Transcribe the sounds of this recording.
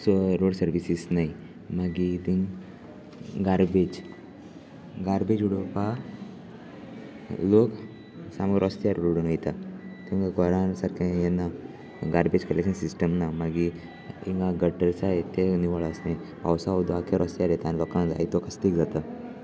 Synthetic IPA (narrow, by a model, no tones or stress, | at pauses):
sɔɾoɽsəɾʋisisnai | maɡid̪iŋ | ɡaɾbed͡ʑ | ɡaɾbed͡ʑuɽopa | lok | saməɾʔɔst̪jaɾɽoɽunəjt̪at̪iŋɡɡʱɔɾãsaɾkʰãjenːa | ɡaɾbed͡ʑkəɾleksənsisʈəmnamaɡi | iŋɡaɡəʈːəɾsaɦet̪eniʋəɭasnaj | a̰wsaod̪ʱoakʰeɾʔɔst̪ijaɾjet̪aniʋəkãd͡za̰it̪okəst̪ikd͡zat̪ə